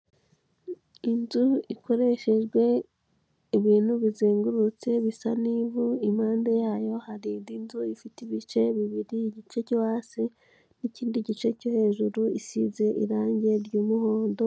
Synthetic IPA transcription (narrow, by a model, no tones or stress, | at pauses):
inzuikʰo̞ɾe̞ʃe̞ʒɡwe̞ | iβiːn̥huβizeːŋɡuɾut͡se̞βisanivuimhaːndajaːjo̞haɾidinzuifitiβit͡ʃe̞βiβiɾiːɟit͡ʃe̞cowaːsi | niciːndiɟit͡ʃe̞cohe̞ːʒuɾuisize̞ʔḭɾaːɲɟe̞ɾɟuːmuho̞ːndo